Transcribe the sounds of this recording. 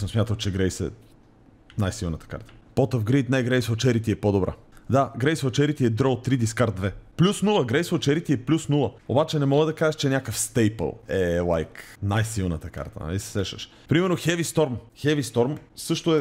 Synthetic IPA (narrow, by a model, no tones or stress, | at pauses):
sosmjat̪əmt͡ʃɛɡɾɛjsɛ̰ | najsilˠnət̪ə̥ka̰ɾt̪ə̥pɔt̪əfɡɾit̪najɡɾɛjsot͡ʃɛɾit̪iɛpod̪obɾʔa̰d̪aɡɾɛjsvot͡ʃɛɾit̪iɛd̪ɾot̪ːɾid̪iskaɾt̪̚d̪vɛplʲusnulˠəɡɾɛjsvot͡ʃɛɾit̪iɛplʲusnulˠəo̰bat͡ʃɛnɛmɔɡəd̪ɐkaʒɛʃt͡ʃɛnʲjakəfst̪ɛjpə̰lˠɛlˠa̰jknajsilˠnət̪əka̰ɾt̪ə̰n̰lisɛ̥sɛʃə̰ʃ | pɾimɛɾnoxɛvist̪ɔɾmxɛvist̪ɔɾmsɤʃt̪oɛ